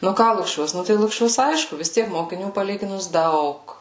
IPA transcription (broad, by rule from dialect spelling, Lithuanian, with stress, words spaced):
nʊ ˈkɑː lˠʊkˈʃʲuɔs ˈnʊ tɐɪ lˠʊkˈʃʲuɔs ˈɐɪʃkʊ ʋʲɪs ˈtʲiɛk moːkʲɪˈnʲuː pɐˈlʲiːɡʲɪnʊs ˈdɐʊk